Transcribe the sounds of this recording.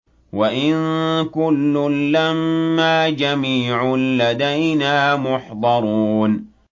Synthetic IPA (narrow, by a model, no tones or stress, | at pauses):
waʔɪnkʊlːʊlːamːaːd͡ʒamiːʕʊlːad̪ajnaːmʊħd̪ˤɑɾˤuːn